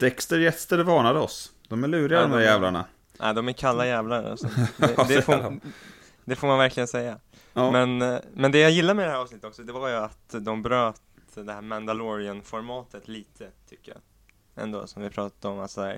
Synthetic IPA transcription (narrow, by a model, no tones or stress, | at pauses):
t̪ʰɛkst̪əɾjɛt̪sd̪ɛɖvɑːɳad̪əɔsd̪̥ɔmæɭʉ̟ːɾɪɡad̪ɔmd̪æɾjɛːvlaɳa̰ | ʔa̰ːd̪ɔmæɾkʰalːajæːvlaɾa̰sɔd̪ɛd̪ɛf | d̪ɛfoːɾmanvæɾkʰlɪɡənsɛjːa | mɛnmɛnd̪ɛjajɪlːaɾmɛɪd̪ɛhæɾɑːvsnɪt̪ət̪ɔksɔd̪ɛvaɾjɵat̪d̪ɔmbɾøːt̪ | d̪ɛhæːɾmænd̪alɔɾɪənfɔɾmɑːt̪ət̪liːt̪ʰət̪ʰʏkːəjɑ̰ | ʔɛ̰nd̪o̰ːsɔmvɪpʰɾɑːt̪ad̪əɔmalsɔdæːɾ